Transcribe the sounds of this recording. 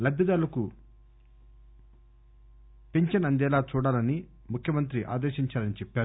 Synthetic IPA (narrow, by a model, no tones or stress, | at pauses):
lɐd̪ːɐd̪aːlɐku | peɲt͡ʃɐnɐnd̪ɛːlaːt͡ʃuːɽaːlɐni | mukʰjɐmɐnt̪̬ɾiʔa̰ːd̪eːʃiɲt͡ʃaːɾɐnit͡ʃɛpːaːɾu